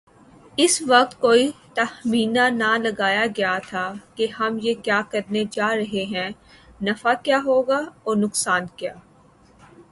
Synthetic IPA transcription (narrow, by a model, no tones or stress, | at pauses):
ɪsʋɐq̚t̪̚koːit̪ɐhmiːnanalɐɡaːjaɡɐjat̪ʰakehɐmjekjaːkɐɾned͡ʒaːɾɐɦeɦɛ̃ː | nɐfakjaːɦoːɡaɔːɾnʊksaːnkjaː